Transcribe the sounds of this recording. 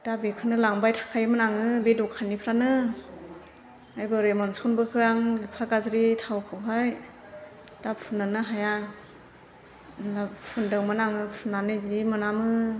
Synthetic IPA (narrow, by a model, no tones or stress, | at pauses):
d̥abekʰɯnɯlaŋbajtʰḁkʰajmɯnaŋɯbedɔkʰanipʰɾanɯ | ajbɯɾemɔnsɔnbɯkʰɯjaŋlipʰakazɾitʰawkʰɯɦaj | d̥appʰɯnːanɯɦaja | napʰɯndɯŋmɯnaŋɯpʰɯnːanɯzimɯnamɯ